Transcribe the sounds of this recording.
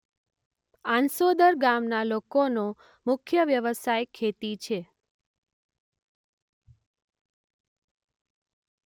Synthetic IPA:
ãnsod̪əɾɡamnalokono | mʊkʰjəʋjəʋəsajkʰet̪it͡ʃʰe

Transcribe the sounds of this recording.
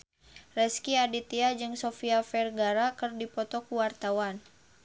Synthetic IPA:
rɛskiadit̪iad͡ʒɨŋsofiafɛrɡaɾakərdipɔt̪ɔkuwart̪awan

